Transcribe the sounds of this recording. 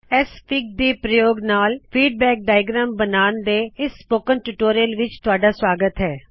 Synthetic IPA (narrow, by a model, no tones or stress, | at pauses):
ɛːspʰɪk̚d̪iːpɾəjoːɡnaːlpʰiːɖ̚bɛːk̚ɖaːɪɡɾaːmbənaːnd̪eːɪsːpoːkənʈuːʈoːɾijəlʋɪt͡ʃt̪ʊaːɖaːswaːɡət̪ɦɛː